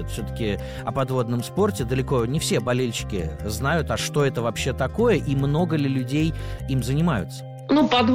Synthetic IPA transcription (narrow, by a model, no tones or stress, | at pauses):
ʊt̪fsʲot̪ə̥kʲɪ | ɐpɐd̪vo̞d̪nəmspo̞rtʲɪd̪əlʲɪko̞nʲɪfsʲe̞bɐlʲelʲɕɪ̥kʲɪ̰znajʊt̪ɐʂt̪o̞ɛt̪əvɐpɕːe̞t̪ɐko̞jəʔimno̞ɡəlʲɪlʲʉdʲejimzənʲɪmajʊ̰t̪sə̥ | nupɐd̪